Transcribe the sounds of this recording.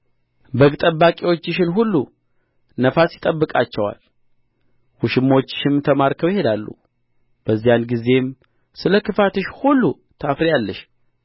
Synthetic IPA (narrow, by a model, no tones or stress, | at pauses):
bəɡt̪ʼəbːakʼiwo̞t͡ʃːɪʃɪnɦulːu | nəfasjɪt̪ʼəbːɨkʼat͡ʃːɛwa̰l | wuʃɪmːo̞t͡ʃːɪ̥ʃɪmt̪ʰəmaɾkʰəwjhe̞d̪alːṵ | b̥əzːijanɡize̞m | sɨləkɨfat̪ɨʃhulːu | t̪ʰafɾejalːəʃ